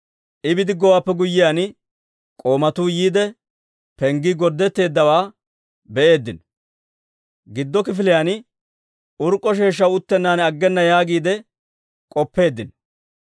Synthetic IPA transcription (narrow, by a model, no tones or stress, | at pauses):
ʔɪbɪd̪ɪɡɔwaːpːɛɡʊjːɪjaːn | kʼo̞ːmɐt̪uːjiːd̪ɛ | pɛŋɡɪɡɔɾd̪ːɛt̪ːe̞ːd̪ːɐwaː | bɛʔe̞ːd̪ːɪn | ɡɪd̪ːɔkɪfɪlɪjanɪ | ʔʊɾkʼːɔʃe̞ːʃ̬ːɐwʊt̪ːɛnːaːnɐɡːɛnːɐjaːɡiːd̪ɛ | kʼɔpːe̞ːd̪ːɪn